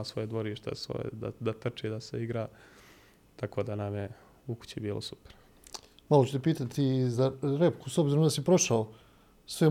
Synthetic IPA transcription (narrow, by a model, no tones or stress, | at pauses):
sʋo̞je̞d̪ʋo̞ɾiːʃt̪ḛsʋo̰jḛd̪a̰d̪at̪r̩t͡ʃiːd̪aseiɡɾaː | t̪ako̞ːd̪anamje | uku̥t͡ɕibiːlo̰supe̥ɾ | malot͡ʃu̥t̪epiːt̪at̪izaɾe̞pkusobziɾo̞md̪asipɾo̞ʃao | sʋe